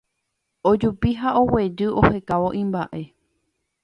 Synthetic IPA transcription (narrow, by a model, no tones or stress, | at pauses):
od͡ʒupiɦaowe̞ɾɨohe̞kaʋo̞ʔĩmbaʔe̞